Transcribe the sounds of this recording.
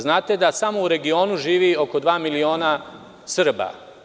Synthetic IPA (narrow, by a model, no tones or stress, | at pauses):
znaːt̪e̞d̪asamo̞uɾe̞ɡio̞ːnuʒiːʋio̞ko̞d̪ʋaːmilio̞ːna | sr̩ba̰